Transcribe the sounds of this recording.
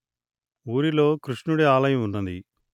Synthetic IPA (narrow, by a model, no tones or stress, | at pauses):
uːɾilo̞ːkɾuʂɳuɽiaːlɐjɐmunːɐnd̪ḭ